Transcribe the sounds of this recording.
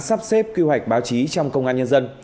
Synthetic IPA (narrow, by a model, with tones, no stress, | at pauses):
saː˦˥p̚sɛ˦˥p̚ki˧hwa˨˩jk̟̚ɓaː˨˦wt͡ɕi˨˦t͡ɕɔ˧wŋ͡mkə˧wŋ͡mʔaː˧nɲə˧nzə˧n